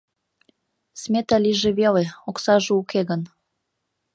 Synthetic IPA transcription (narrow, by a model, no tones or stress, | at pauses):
smʲet̪ɑliʒeβeleoksɑʒeukeɣən